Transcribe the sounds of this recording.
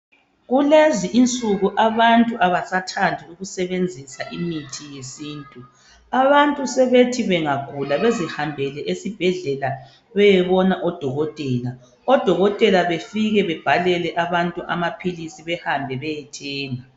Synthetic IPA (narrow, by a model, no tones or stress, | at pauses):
ɣuleziʔint͡sʼuɣuʔaβantʼuʔaβasatʰandʱiuɣusɛβend͡zʱisaʔimitʰijesiːntʼu | aβantʼusɛβetʰiβɛŋakʰulaβezihambʱɛlɛʔesib̥ʱɛɮɛla | βɛjɛβɔnaʔɔd̥ʱɔɣɔtʼɛːla | ɔd̥ʱɔɣɔtʼɛlaβefiɣɛβɛb̥ʱalɛlɛʔaβantʼuʔa̰mapʰilisiβɛhambʱɛβɛjɛtʰɛːŋa